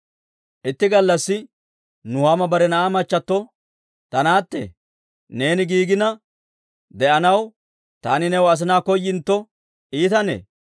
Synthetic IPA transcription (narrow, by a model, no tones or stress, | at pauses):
ʔɪt̪ːɪɡɐlːɐsːɪ | nʊhaːmɐbɐɾɛnɐʔaːmɐt͡ʃːɐt̪ːɔ | t̪ɐnaːt̪ːḛ | ne̞ːnɪɡiːɡɪnɐ | d̪ɛʔɐnɐw | t̪aːnɪnɛwɐs̬ɪnaːkɔjːɪnt̪ːɔ | ʔiːt̪ɐnḛː